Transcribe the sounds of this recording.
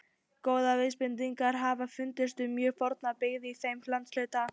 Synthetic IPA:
koːwðavɪspɪnt̪iŋkaɾ̥ɦaːvafʏnt̪ɪst̪ʏmjœːfɔɾt̪napɪːɣðɪiθejmlant̪slœːɥt̪a

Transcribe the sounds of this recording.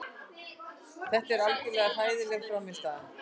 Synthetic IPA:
θɛht̪ɛɾalcɪlɛːɣar̥aːjðɪlɛɣfɾawmɪst̪aa

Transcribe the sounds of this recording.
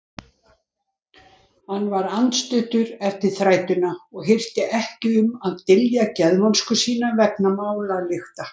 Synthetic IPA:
hanːvaɾant̪st̪ʏht̪ʏɾɛft̪ɪɾ̥θɾaːjt̪ʏnaɔɣɦɪr̥t̪ɪʔɛhcɪʏmaðt̪ɪljacɛðmanskʏsiːnavɛk̚namaːwlalɪxt̪a

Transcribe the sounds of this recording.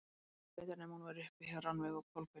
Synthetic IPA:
pɛːt̪aɾnɛmhunvaɾʏhpɪçɛranvɛɣɔkʰɔlkʏ

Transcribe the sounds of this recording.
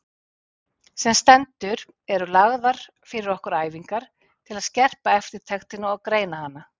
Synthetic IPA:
sɛmst̪ɛnt̪ʏɾ | ɛɾʏlaɣðaɾ̥ | fɪɾɪɾɔhkʏɾaːjviŋkaɾ̥ | t̪ʰɪlaðscɛr̥paɛft̪ɪɾ̥t̪ʰɛxt̪ɪnaɔɣkɾeːjnahanːa

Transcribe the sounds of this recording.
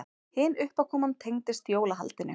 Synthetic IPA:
hɪːnʏhpawkʰɔːmant̪ʰejŋt̪ɪst̪joːwlaɦa̰lt̪ɪnːɪ̰

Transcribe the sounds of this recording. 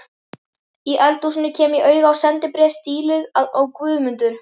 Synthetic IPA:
iʔɛlt̪usɪnʏcʰɛːmiʔœːɥɣawsɛnt̪ɪpɾɛst̪iːlʏðaðawkvʏːðmʏnt̪ʏɾ̥

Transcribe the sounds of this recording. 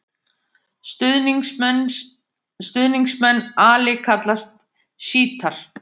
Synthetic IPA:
st̪ʏðniŋksmɛnːaːlɪkʰat̪last̪̚ | ʃiːt̪ʰaɾ̥

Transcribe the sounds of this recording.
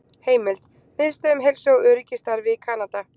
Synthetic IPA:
heːjmɪlt̪ | fɪðst̪œmɦejlsjoɣœːɾɪcɪst̪aɾvɪðkʰaːnat̪a

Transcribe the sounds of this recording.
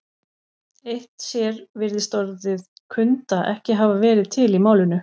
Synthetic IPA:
ejht̪sjɛɾvɪɾðɪst̪ɔɾðɪð | kʰʏnt̪aðʔɛ̰hcɪɦaːvavɛːɾɪðt̪ʰɪlimaːwlɪnʏ

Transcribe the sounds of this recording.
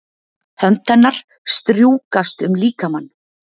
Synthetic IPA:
hœmt̪anːaɾ̥ | st̪ɾjuːkast̪ʏmliːkamanː

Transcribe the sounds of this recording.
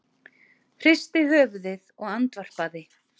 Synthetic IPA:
fr̥ɪst̪ɪɦœːvðɪðɔɣant̪var̥paðɪ

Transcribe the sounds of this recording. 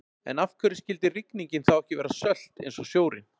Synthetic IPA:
ɛ̰nafkʰœɾɪscɪlt̪ɪrikniɲcɪnθawɛhcɪvɛːɾasœl̥t̪ḛjnsɔsjoːwɾɪ̰n

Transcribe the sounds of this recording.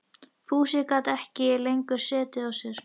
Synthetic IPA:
fuːsikat̪ɛhcɪlejŋkʏɾ̥sɛːt̪ɪawsjɛɾ̥

